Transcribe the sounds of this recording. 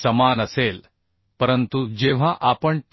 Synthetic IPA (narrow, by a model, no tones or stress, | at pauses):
səmanəsel | pəɾənt̪ud͡ʑeʋ̤aʔapəɳʈ